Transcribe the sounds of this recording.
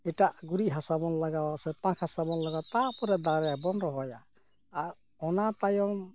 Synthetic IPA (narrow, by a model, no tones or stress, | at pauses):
ɛʈaʔɡuɾiɦasabɔnlaɡawasɛpãkʰhasabɔnlaɡat̪ːapɔɾɛd̪aɾɛjabɔnɾɔɦɔjaː | ɾ | ɔnat̪ajɔm